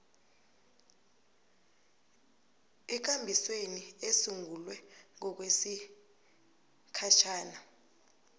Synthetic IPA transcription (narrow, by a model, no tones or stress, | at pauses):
ɛk̬ambʱisweniesuŋulwɛŋɔk̬wesi | kʰat͡ʃʰaːna